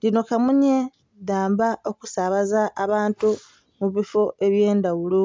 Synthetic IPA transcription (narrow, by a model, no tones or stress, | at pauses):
dino̞kamuɲe | daːmbaʔo̞ku̥saβazaʔːβaːntu | muβifo̞e̞βje̞ːndawulo